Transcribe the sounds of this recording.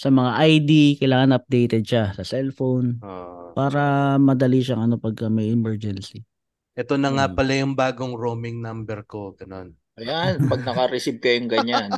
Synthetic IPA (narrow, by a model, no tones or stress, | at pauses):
sɐmɐŋaʔajd̪ikɐjlaːŋɐnʔɐp̚d̪ejt̪ɛd̪̚ʃasɐsɛlfonʔoʔpaːɾɐmɐd̪ɐliʃɐŋʔɐno̞pɐɡ̚kɐmɐjɪmɛɹd͡ʒɛnsi | ʔɛt̪o̞nɐŋapɐlajʊŋbaːɡoŋɾomɪŋnambɛɾko̞ɡɐno̞n | ʔɐjanpɐɡ̚nɐkɐɾɛsib̚kɐjʊŋɡɐɲan